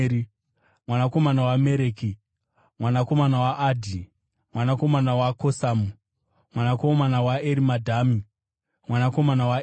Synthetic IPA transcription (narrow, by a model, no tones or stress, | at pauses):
i | mwanako̞manawameɾeːki | mwanako̞manawaʔadʱi | mwanako̞manawakosamu | mwanakomanawaeɾimadʱami | mwanako̞manawa